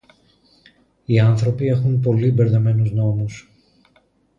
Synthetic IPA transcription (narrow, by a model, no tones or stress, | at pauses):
iɐnθɾo̞pie̞xunp̬o̞libe̞ɾðe̞me̞nuzno̞mus